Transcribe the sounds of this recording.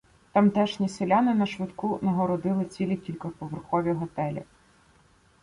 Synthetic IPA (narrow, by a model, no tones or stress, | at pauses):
t̪ɐmt̪ɛʃnʲiselʲanɪnɐʃʋɪd̪kunɐɦɔɾɔd̪ɪlˠɪt͡sʲilʲikʲilʲkɐpɔʋerxɔʋʲiɦɔt̪ɛlʲḭ